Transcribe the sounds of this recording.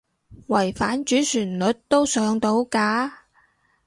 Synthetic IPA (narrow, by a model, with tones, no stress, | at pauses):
wɐ˨˩jfaː˨˥nt͡ʃyː˨˥syː˨˩nlɵ˨˥t̚t̪o˥wsœː˨˧ŋt̪o˧wkaː˨˧˥